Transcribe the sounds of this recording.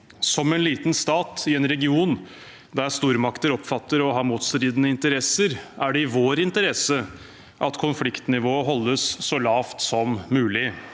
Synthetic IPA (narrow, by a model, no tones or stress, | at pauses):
sɔmɛnliːt̪n̩st̪ɑːt̪ɪɛnɾɛɡɪuːn | d̪æɾst̪uːɾmɑkt̪əɾɔpfɑt̪ːəɾɔɦɑːɾmuːt̪st̪ɾiːd̪ənəɪnt̪əɾɛsəɾæɖɛɪʋoːɾɪnt̪əɾɛsə | ʔɑt̪kʰʊnflɪkt̪nɪʋoːəɦɔlːəsːɔlɑːft̪sɔmːʉːlɪ